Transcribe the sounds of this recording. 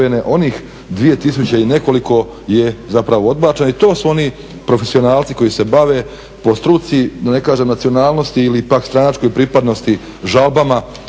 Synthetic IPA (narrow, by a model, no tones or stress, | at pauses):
eneʔo̞niːx | d̪ʋije̞t̪is̬ut͡ɕeine̞ko̞liko̞ | je̞zapɾaʋood̪baːt͡ʃenoit̪o̞ːsuo̞ni | pɾo̞fesio̞naːlˠt̪si̥ko̞jise̞baʋeː | po̞st̪ɾut̪siid̪ane̞kaːʒemnat̪sio̞naːlˠno̞st̪iilipakst̪ɾanat͡ʃko̞jpɾipad̪no̞st̪i | ʒalˠbama